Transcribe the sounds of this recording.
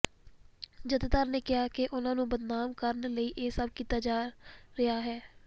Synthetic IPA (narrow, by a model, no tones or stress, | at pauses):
d͡ʒət̪et̪aːɾneːkɪɦaːkeʔʊnãːnũːbəd̪naːmkəɾnləiːʔeːsəb̚kiːt̪aːd͡ʒaːɾɪɦaːɦɛː